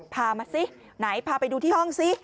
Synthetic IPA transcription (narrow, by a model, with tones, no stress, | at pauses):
pʰaː˧maː˧si˦˥ | na˩˦jpʰaː˧pa˧jduː˧t̪ʰiː˥˩hɔ˥˩ŋsi˦˥